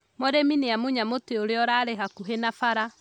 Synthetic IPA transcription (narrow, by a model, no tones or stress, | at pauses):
mɔɾemineamuɲamoteoɾeɔɾaɾeɦakuɦenafaɾa